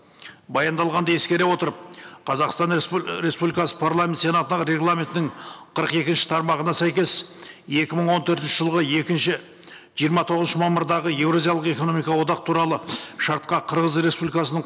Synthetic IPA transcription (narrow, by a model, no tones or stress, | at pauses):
bɑjɑnd̪ɑlˠʁɑnd̪ɑje̞skʲe̞ɾewo̞t̪əɾəp̚qʰɑzɑqst̪ɑnɾe̞spublʲikɑsə̥pʰaɾlˠamʲet̪se̞nɑt̪ənɑɾe̞ɡlˠamʲe̞nt̪ɪnɪɴqʰəɾəqe̞kʲɪnʃɪ̥t̪ʰɑɾmɑʁənɑsæjkʲe̞se̞kʲɪməɴwo̞nt̪ʰɵɾt̪ɪnʃɪʒəlˠʁəe̞kʲɪnʃɪ | ʒijəɾmɑt̪ʰo̞ʁəznʃəmɑməɾd̪ɑʁəje̞vɾozijɑlˠəqe̞ko̞no̞mijkɑwo̞d̪ɑqt̪ʰuɾɑlˠəʃɑɾt̪̚qɑqʰəɾʁəzɾe̞spublʲikɑsənəɴ